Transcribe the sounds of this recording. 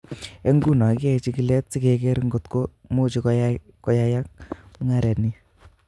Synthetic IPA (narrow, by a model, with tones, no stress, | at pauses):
e˦ŋɡu˦˨nɔ˨ke˨t͡ʃi˦ki˦lɛ˦t͡si˦ke˨kɛ˦ɾŋɡo˨tko˦mo˦t͡ʃi˧k | kɔ˦ja˦ja˦k̚ŋa˦ɾɛ˨ni˦